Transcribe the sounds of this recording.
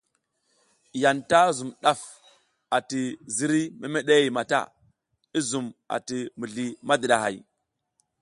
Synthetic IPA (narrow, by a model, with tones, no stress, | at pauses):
ja˨nta˦zu˨mɗa˦f | a˨ti˨zi˦ɾi˦me˦me˦ɗe˦i˨ma˨ta̰˦˨ | i˦zu˨ma̰˨ti˨mi˨ɮi˨ma˦di˨ɗa˨ɦa̰˨j